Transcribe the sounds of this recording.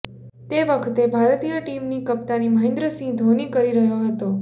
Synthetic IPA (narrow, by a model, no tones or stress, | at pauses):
t̪eʋəkʰt̪ebʱaɾt̪ijəʈimnikəp̚t̪animəɦẽnd̪ɾəsĩd̪ʱonikəɾiɾəɦjoɦət̪o